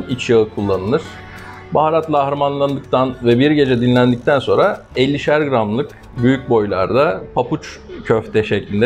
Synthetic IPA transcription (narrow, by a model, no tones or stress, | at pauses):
it͡ʃjaɯkʰulˠːanɯlˠɯɾ̥ | baɦaɾat̪lˠaːhɾamanlˠand̪ɯk̚t̪ʰanvɛbiɾɟe̞d͡ʒɛd̪inlʲænd̪ic̚t̪ʰænso̞nɾa | ɛlʲːiʃæɾɡɾamlˠɯk | byjyc̚bo̞jlˠa̰ɾd̪apʰaput͡ʃ | cʰøft̪ʰɛʃɛclʲind̪ɛ